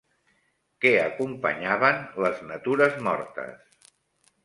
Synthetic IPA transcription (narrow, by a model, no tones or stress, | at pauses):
kɛəkumpə̰ɲaβənləznət̪uɾəzmɔ̰ɾt̪ə̰s